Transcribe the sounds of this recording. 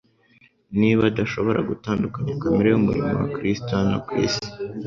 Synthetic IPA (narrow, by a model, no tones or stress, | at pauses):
niβadaʃo̞βo̞ɾʔaɡutaːndukaɲakameɾejumuɾḭmo̰wa̰kɾistona̰kwḭːsi̥